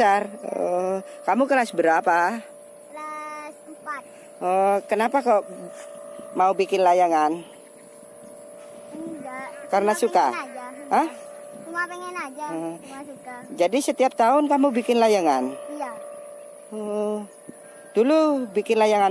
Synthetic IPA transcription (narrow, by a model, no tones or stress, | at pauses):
sarəkamukəlasbəɾapa | lasmpat̪̚ | əkənapako | maubikɪnlajaŋan | ɡakaɾənasukad͡ʒaə | mapeŋɛnad͡ʒaə | d͡ʒadisət̪iap̚t̪aʊnkamubikɪnlajaŋan | ə | d̥ulubikɪnlajaŋa